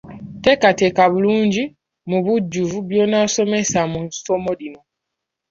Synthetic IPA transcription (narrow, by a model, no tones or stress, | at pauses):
te̞katekaβuluːɲɟi | muβuɟːuvuβjo̞ːnaso̞me̞samunsomoɾino̞